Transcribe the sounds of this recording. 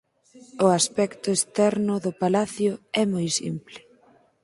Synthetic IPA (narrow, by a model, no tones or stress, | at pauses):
ʊaspɛkt̪ʊest̪ɛɾnʊðʊpalaθjʊɛmojsḭmplɪ